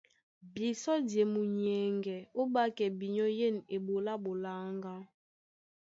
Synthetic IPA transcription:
bi˨sɔ˦dje˨mu˨ɲ˨ɛ˨ŋɡɛ˨o˦ɓa˦kɛ˨bi˨ɲɔ˦je˦˨ne˨ɓo˨la˦ɓo˨la˦ŋɡa˦

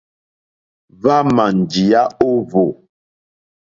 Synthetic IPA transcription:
va˦ma˨n˨d͡ʒi˨a˦o˦vo˨

